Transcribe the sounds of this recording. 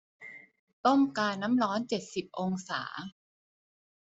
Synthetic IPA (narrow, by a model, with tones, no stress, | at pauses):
t̪o˥˩mkaː˧nːa˦˥mɾɔː˦˥nt͡ɕe˨˩t̪̚si˨˩p̚ʔo˧ŋsa̰ː˩˦